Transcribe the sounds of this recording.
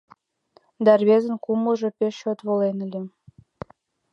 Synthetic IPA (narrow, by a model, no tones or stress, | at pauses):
d̪ɑrβezənkuməʒepeʃot̪βolenəlʲe